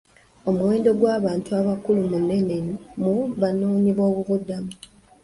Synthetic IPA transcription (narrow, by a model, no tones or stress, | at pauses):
o̞muwe̞ːndo̞ɡwaːβaːntuaβakulumunːe̞ne̞nimuβanoːɲiβo̞ːβuβudːamu